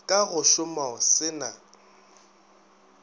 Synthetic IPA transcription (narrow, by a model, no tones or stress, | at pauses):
kʼaɣʊʃʊmaʊsɪna